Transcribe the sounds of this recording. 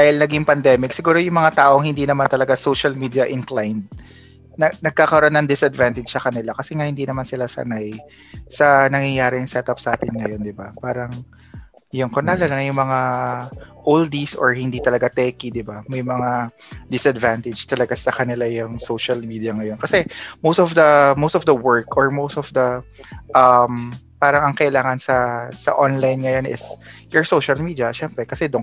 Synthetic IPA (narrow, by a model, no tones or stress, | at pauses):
d̪aːhɪlnɐɡiŋpɐnd̪ɛːmɪksɪɡuːɾo̞jʊŋmɐŋat̪aːʔoŋhɪnd̪inɐmant̪ɐlɐɡasowʃɐlmiːd̪iɐʔɪnklajnd̪̚ | nɐnɐɡ̚kakɐɾʔonːɐŋd̪ɪsɐd̪vant̪ɪd͡ʒsɐkɐnɪlakɐsɛŋahɪnd̪iːnɐmansɪlasɐ̰naj | sɐnɐŋjɐjaːɾɪŋsɛt̪ɐpsʔaːt̪ɪnŋɐjo̞nd̪ɪbapaːɾɐŋ | jʊŋkonaːlɐlɐŋjʊŋmɐŋa | ʔold̪isʔɔ̰ɹhɪnd̪it̪ɐlɐɡat̪ɛkid̪ɪbamɐjmɐŋa | d̪ɪsɐd̪vant̪ɪdd͡ʒt̪ɐlɐɡasɐkɐnɪlajʊŋsowʃɐlmiːd̪ijɐŋɐjo̞nkɐsɛmowst̪ɔfd̪ɐmowst̪ɔfd̪ɐwɛɹkɔɹmost̪ɔfd̪ɐʔɐmpaːɾɐŋɐŋkɐʔɪlaːŋɐnsɐsɐ̰ʔonlajnŋɐjonʔɪ̰sjɔɹsowʃɐlmiːd̪iɐʃɛmpɾɛkɐsɛd̪oŋ